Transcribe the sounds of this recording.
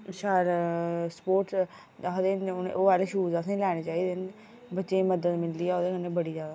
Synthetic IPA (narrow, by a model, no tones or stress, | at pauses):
ʃaːɾspoːɾʈ | aːɦd̪eːnnḛʔoːaːleʃuːzasẽːlɛːɽ̃eːt͡ʃaːiːd̪eːn | bətːʃeːməd̪əd̪mɪld̪iːɛːoːd̪eːkənːeːbəɽiːzjaːd̪aː